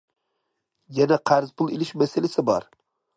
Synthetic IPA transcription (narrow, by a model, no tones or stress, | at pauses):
jɛnɛqʰæɾzpʰʊlˠelɪʃmɛsɪlɪsɪbɑ̰ɾ